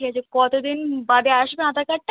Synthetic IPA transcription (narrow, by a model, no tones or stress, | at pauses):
iad͡ʑekɔt̪od̪inbad̪eaʃbead̪akaʈʈ